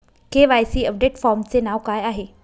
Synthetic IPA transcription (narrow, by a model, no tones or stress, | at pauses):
keʋajsiːəp̚ɖeʈfɔːɾmt͡senaʋkaːjaːɦe